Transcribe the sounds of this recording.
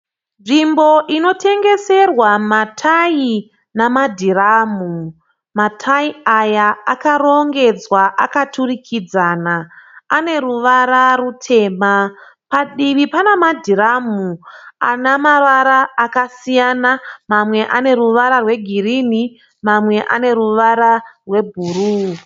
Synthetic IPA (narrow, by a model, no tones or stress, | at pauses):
nʐimbo̞ʔino̞te̞ŋɡe̞se̞rwamatʰaji | namadʱiramu | matʰaiajaːkaro̞ŋɡe̞d͡zwaʔakatʰurikʰid͡zaːnaane̞ruʋaɾarutʰe̞ːma | paɗiʋipanamadʱiɾamua̰namarwaɾaːkasijanamamwe̞ʔane̞ruʋaɾarwe̞ɡʱirini | mamwe̞ʔa̰ne̞ɾuʋaɾarwe̞bʱuruː